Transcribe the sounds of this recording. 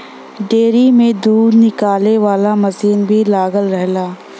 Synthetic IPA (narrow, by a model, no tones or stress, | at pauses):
ɖeːɾimẽd̪uːɾnɪkaːleʋaːlamɐsiːnbʱilaːɡəlɾɛɦlaː